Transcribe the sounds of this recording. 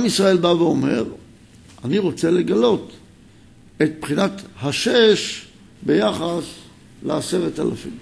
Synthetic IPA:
amisʁae̞lbaveo̞me̞̰ʁ | aniʁo̞t͡se̞leɡalo̞t̪ | et̪̚pχinat̪haʃeʃ | be̞jaχas | leaseʁeta̰la̰fḭm

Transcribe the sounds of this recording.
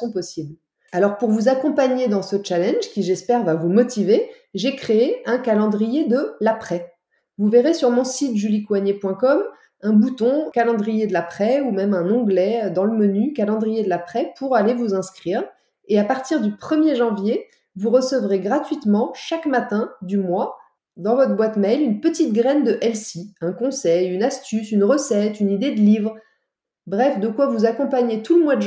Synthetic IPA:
sɔ̃pɔsibl | alɔʁpuʁvuzakɔ̃paɲed̪ɑ̃sət͡ʃalɛ̃nʒkʲiʒɛspɛʁvavumɔt̪ive | ʒekχeeɛ̃kalɑ̃d̪ʁijed̪əlapχɛ | vuveʁesyʁmɔ̃sit̪ʒylikwaɲepwɛ̃kɔm | ɛ̃but̪ɔ̃kalɑ̃d̪ʁijed̪əlapχɛumɛmɛ̃nɑ̃ɡlɛød̪ɑ̃ləmənykalɑ̃d̪ʁijed̪əlapχɛpʰuʁalevuzɛ̃skχiʁ | eapaʁt̪iʁd̪ypχəmjeʒɑ̃vje | vuʁəsəvʁeɡʁat̪ɥit̪mɑ̃ʃakmat̪ɛ̃d̪ymwa | d̪ɑ̃vɔt̪χbwat̪mɛjlynpət̪it̪̚ɡʁɛnd̪əʔɛlsiɛ̃kɔ̃sɛjynast̪ysynʁəsɛt̪ynid̪ed̪əlivʁ | bʁɛfd̪əkwavuzakɔ̃paɲet̪ʰuləmwad̪ə

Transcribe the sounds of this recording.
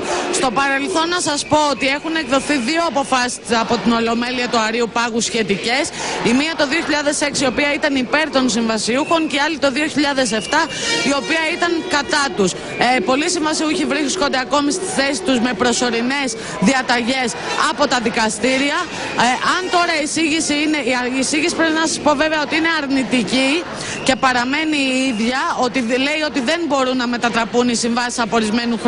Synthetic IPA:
st̪o̞pɐɾe̞lθo̞nːɐsɐspo̞ot̪ie̞xune̞kðo̞θiðio̞ɐpo̞fɐsi̥sɐpo̞t̪ino̞lo̞me̞liɐt̪uɐɾiupɐɣusçe̞t̪ice̞simiɐt̪o̞ðio̞çiʎɐðe̞se̞ksio̞piɐit̪ɐnipe̞ɾt̪o̞ns̬iɱvɐsiuxo̞ŋceɐlit̪o̞ðio̞çiʎɐðe̞s̬e̞ft̪ɐio̞piɐit̪ɐŋkɐt̪ɐt̪us | po̞lisiɱvɐsiuçivɾiskond̪eɐko̞mist̪i̥sθe̞si̥t̪uzme̞pɾo̞so̞ɾine̞z | ðiɐt̪ɐʝe̞sɐpo̞t̪ɐðikɐst̪iɾiɐ | ʔɐnt̪o̞ɾɐisiʝisiineːsiʝisipɾepinɐsɐspo̞ve̞veɐo̞t̪iine̞ɐɾnit̪ici | ce̞pɐɾɐme̞niiðʝɐo̞t̪ile̞io̞t̪iðe̞nbo̞ɾunːɐme̞t̪ɐt̪ɾɐpunisiɱvɐsi̥sɐpo̞ɾizme̞nux

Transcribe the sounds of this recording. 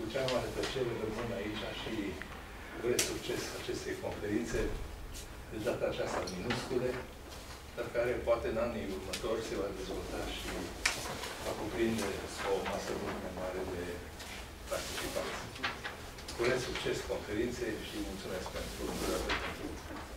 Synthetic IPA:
kut͡ʃeamaɾət̪ət͡ʃelrəmɨnait͡ʃʲaʃi | uɾet̪sukt͡ʃe̞sat͡ʃe̞st̪e̞jko̞nfe̞ɾint̪se̞ | d̪ed̪at̪əːt͡ʃast̪aminuskule | d̪̥arkaɾe̞poat̪e̞ɨnaniurmət̪o̞rʲse̞vad̪e̞zvo̞lt̪aʃi | vakupɾind̪esaomasəmult̪majmaɾe̞d̪e̞ | part̪it͡ʃipant̪sie | kuɾet̪sukt͡ʃe̞sko̞nfe̞ɾint̪se̞jʃimult̪sume̞sk̚pe̞nt̪ɾud̪uɾat̪ekont̪ḭ

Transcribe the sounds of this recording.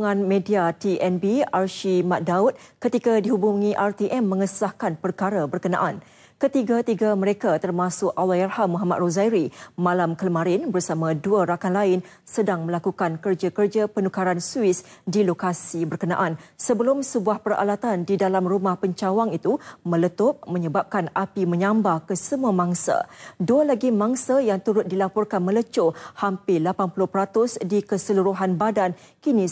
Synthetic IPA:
ŋãnmẽdiat̪iʔɛnbiarʃimaʔ̚daut̪̚kət̪ikadiɦubuŋĩʔart̪iʔɛmːə̃ŋəsahkanpərkaɾabərkənã̰ʔan | kət̪iɡat̪iɡaməɾekat̪ərmasʊkawajarhamːuɦama̰t̪rozajɾimãlamkələmãɾɪnbərsamãduaɾakanlaɪn | sədaŋmə̃lakukankərd͡ʒakərd͡ʒapənukaɾansuɪsdilokasibərkənã̰ʔansəbəlʊmsəbuahpəra̰lat̪andidalamrumahpəɲt͡ʃawaŋit̪umə̃lət̪ʊp̚mə̃ɲəbap̚kanapimə̃ɲãmbahkəsəmuamãŋsa̰dualaɡimãŋsajaŋt̪uɾʊt̪̚dilapɔrkanmə̃lət͡ʃohampɪlapanpulʊhpəɾat̪ʊsdikəsəluɾuɦanbadan | kinĩ

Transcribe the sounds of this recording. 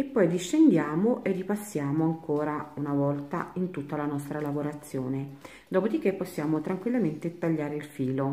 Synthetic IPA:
epːɔjd̪iʃːend̪jaːmoʔerːipasːjaːmoaŋkoːɾaunavɔlt̪aint̪ut̪ːalanɔst̪ɾalavoɾat̪sːjoːne | d̪ɔːpod̪ik̟ːepːosːjaːmot̪ɾaŋkwilːament̪et̪aʎːaːɾeilfiːlo

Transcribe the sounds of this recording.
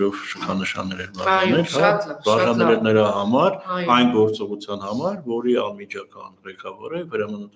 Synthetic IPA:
ɔvʃəkʰɑnəʃɑ̰nːɛɾɛmɑ̰nɛlhɑbɑʒɑnɾɛlnəɾɑɦɑmɑɾɑjnɡɔɾt͡sɔʁut͡sʰjɑnhɑmɑɾvɔɾiɑ̰nmit͡ʃʰɑkɑnʁɛkɑvɔ̰ɾɛvəɾɑmənət̪

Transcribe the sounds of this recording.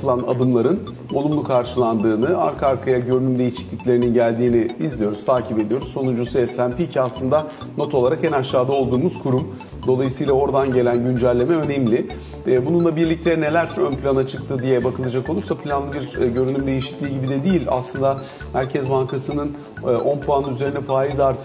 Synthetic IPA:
ɯlˠana̰d̪ɯmlˠaɾɯn | o̞lˠumlˠukʰaɾʃɯlˠand̪ɯːnɯa̰ɾkʰaaɾkʰajaɟø̞ɾynymd̪e̞jiʃi̥c̪lʲiclʲe̞ɾininɟælʲd̪iːniizlʲijo̞ɾuz̥t̪ʰaːcʰipe̞d̪ijo̞ɾuzsːo̞nund͡ʒusesænpicʰaslˠɯnd̪a | no̞t̪ʰolˠaɾakɛnaʃːaːd̪ao̞lˠd̪uːmuzkʰuɾum | d̪o̞lˠajɯsɯjlˠao̞ɾd̪anɟe̞lʲænɟynd͡ʒælʲːe̞mɛø̞nemlʲɪ | bununlˠabiɾlʲic̚t̪ʰɛne̞lʲæɾt͡ʃønpʰlʲanat͡ʃʰɯk̚t̪ʰɯd̪ijɛbakʰɯlˠad͡ʒakolˠuɾsapʰlʲanlˠɯbiɾɟø̞ɾynymd̪e̞jiʃi̥clʲiːɟibid̪ɛd̪iːlʲa̰slɯnd̪a | mæɾcʰɛzbaŋkʰasɯnɯn | ʔo̞npuanyze̞ɾinɛfaːizaɾt̪ʰɯ

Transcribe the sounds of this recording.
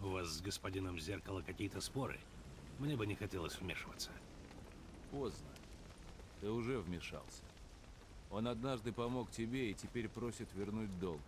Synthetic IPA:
ʊvasːɡəspɐdʲinəmzʲerkəlˠəkɐkʲijət̪əspo̞ɾɨ̰ | mnʲebɨnʲɪxɐtʲelˠəsʲvmʲeʂɨvə̰t̪sːə̥ | po̞znə | t̪ɨʊʐɛvmʲɪʂa̰lˠsʲə̥ | o̞nɐd̪naʐd̪ɨpɐmo̞ktʲɪbʲeitʲɪpʲeɾʲpɾo̞sʲɪt̪vʲɪrnut̚ʲd̪o̞lˠ

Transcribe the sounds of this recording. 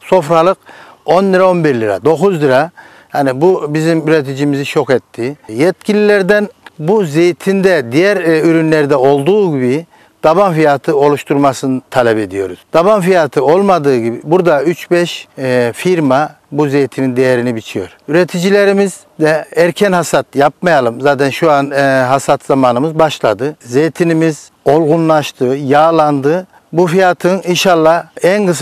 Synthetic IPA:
so̞fɾalˠɯqo̞nliɾao̞nbiɾlʲiɾa̰d̪o̞kuzlˠiɾa | hanibubizimyɾɛt̪ʰid͡ʒimiziʃʰo̞kɛt̪ʰːijɛt̪cʰilʲilʲɛɾd̪ænbuzejt̪ʰind̪ɛd̪ijæɾyɾynlʲɛɾd̪ɛo̞lˠd̪uːɟibi | d̪̥abanfijat̪ʰɯo̞lˠuʃt̪ʰuɾmasɯnɯt̪ʰalʲɛped̪ijo̞̰ɾuz̥d̪̥aβanfijat̪ʰɯo̞lˠmad̪ɯːɟibibuɾd̪ayt͡ʃbɛʃfiɾma | buzejt̪ʰinind̪ejɛɾinibit͡ʃʰijo̞̰ɾyɾet̪ʰid͡ʒilʲeɾimiz | d̪ɛæɾcʰɛnhasat̪jap̚majalˠɯmzaːt̪ʰɛnʃuanɦasat̪zamaːnɯmɯzbaʃlˠa̰d̪ɯzejt̪ʰinimiz̥ | o̞lˠɡunlˠaʃt̪ʰɯjaːlˠand̪ɯ | bufijat̪ʰɯninʃalˠːaænɡɯs

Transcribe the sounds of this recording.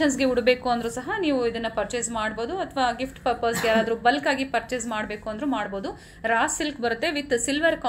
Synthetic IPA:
ɐns̬ɡeuɽbe̞ːkuɐnd̪ɐɾuːsɐɦɐniːʋuid̪ɐnːɐpɐɾt͡ʃesmaːɽboːd̪uɐt̪ʰʋaːɡifʈpɐɾpɐɾsɡjaːɾaːd̪ɐɾubɐlkaːɡipɐɾt͡ʃesmaːɽbe̞ːkuɐnd̪ɐɾumaːɽboːd̪u | ɾaːsːilkbɐɾut̪ːe̞ʋit̪ːsilʋɐɾkɐ

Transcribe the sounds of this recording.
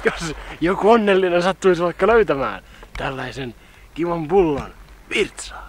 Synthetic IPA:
josjokuonːelːinensɑt̪ːuisʋɑikːɑløyt̪æmæ̰ːn | t̪ælːæisen | kiʋɑmpulːɑ̰nʋirt̪sɑ̥ː

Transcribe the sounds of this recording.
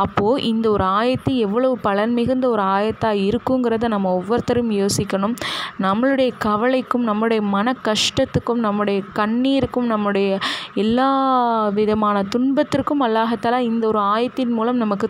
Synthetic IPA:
ɐpːoːʔɪnd̪ɐɔɾɯaːjɐt̪ːɯɛʋːɐɭɐʋɯpɐɭɐnmɪɣɯnd̪ɐɔɾɯaːjɐt̪ːaːɪɾɯkːɯŋɡɪɾɐðɯnɐmːɐɔʋːɔɾt̪ɐɾjmjoːsɪkːɐɳɯmnɐmːɐɭɯɽɐjɐkɐʋɐɭɐɪkːɯmnɐmːɯɽɐjɐmɐnɐkːɐʂʈɐt̪ːɯkːɯmnɐmːɯɽɐjɐkɐɳːiːɾɯkːɯmnɐmːɯɽɐjɐɛlːaːʋɪðɐmaːnɐt̪ʊɳbɐt̪ːɪrkːɯmɐlːaːɣɐt̪ːalaːɪnd̪ɐɔɾɯaːjɐt̪ːɪnmuːlɐmnɐmɐkːɯ

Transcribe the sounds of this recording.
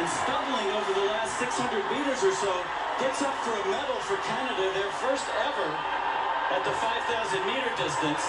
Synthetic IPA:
ɨ̃nspʌbl̩ˠɪ̃ŋoʊvə˞ðəlæstsɪkshʌ̃ndɹɨd̚miɾə˞zə˞soʊ | ɡ̥ɛtsɔpfə˞ɨmɛɾl̩ˠfə˞kʰænɨɾɨðə˞fɜ˞stɛvə˞ | ɨt̪̚ðəfaɪv̥θaʊzɨ̃nmiɾə˞dɪstɨ̃ns

